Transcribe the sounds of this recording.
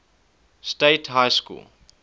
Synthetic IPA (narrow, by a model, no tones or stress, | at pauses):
steɪtɦaɪjskṵːl